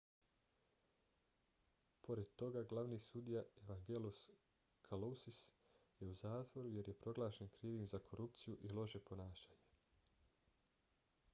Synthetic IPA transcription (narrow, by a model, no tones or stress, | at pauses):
po̞ɾe̞d̪̚t̪o̞ɡaɡlˠaʋniːsud̪ijaeʋaŋɡelus | kʰalosis | je̞uzaːt̪ʋo̞ɾuje̞ɾje̞pɾo̞ɡlˠaːʃe̞nkɾiːʋimzakʰo̞ɾup̚t̪sijuʔilo̞ʒe̞po̞naːʃaːɲe